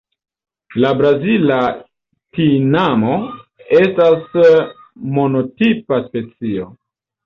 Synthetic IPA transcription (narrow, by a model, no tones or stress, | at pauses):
labɾazila | tinamo̞e̞stas | mo̞no̞tipaspe̞t͡sio̞